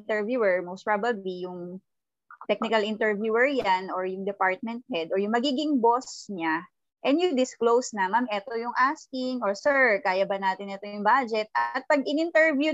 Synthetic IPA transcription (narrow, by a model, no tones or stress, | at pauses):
nt̪ɛɹvjuːɛɹmowst̪pɹabɐblijʊŋ | t̪ɛk̚nɪkɐlʔɪnt̪ɛɹvjuːɛɹjanʔoɹjʊŋd̪ɛpaɹt̪̚mɛnt̪̚hɛd̪ɔɹjʊŋmɐɡiːɡɪŋbosɲa | ʔɛnjʊd̪ɪsklowsnɐmamʔɛt̪ojʊŋʔaskɪŋɔɹsɛɹkaːjɐbɐnaːt̪ɪnɛt̪o̞jʊŋbad͡ʒɛt̪̚ʔɐt̪̚pɐɡɪnɪnt̪ɛɹvju